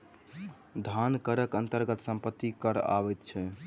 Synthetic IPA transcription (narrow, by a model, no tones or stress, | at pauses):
d̪ʱankəɾəkənt̪əɾɡət̪səmpət̪ːikəɾa̰βɛt̪t͡ʃʰɛ